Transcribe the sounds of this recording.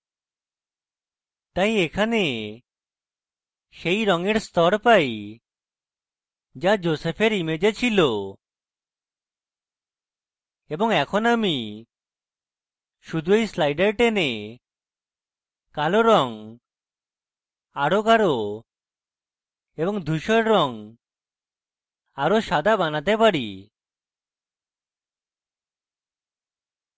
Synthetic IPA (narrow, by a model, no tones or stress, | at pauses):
t̪aj̃ekʰane | ʃejɾɔŋeɾst̪ʰɔɾpaj | d͡ʒad͡ʒosepʰeɾimed͡ʒet͡ʃʰilo | ebɔŋɛkʰɔnami | ʃud̪ʱuejslajɖeɾʈene | kaloɾɔŋ | aɽokaɾo | ebɔŋd̪ʱuʃɔɾːɔŋ | aɾoʃad̪ʱabanat̪epaɽi